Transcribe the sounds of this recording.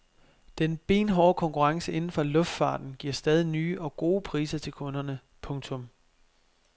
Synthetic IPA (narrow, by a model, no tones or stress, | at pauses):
d̥enb̥e̝̰ːnɦɒːkʰɒ̽ŋkʰuʁɑ̈ŋsəʔe̝nn̩fɒ̽lɔ̽fd̥fɑ̰̈ːd̥n̩ɡ̥iɐsd̥ɛːð̞ˠinyːʔɒ̽ɡ̥o̝ːpʰʁḭːsɐt͡sʰe̝lkʰɔ̽nɐnə | pʰɔ̽ŋt͡sʰɔ̽m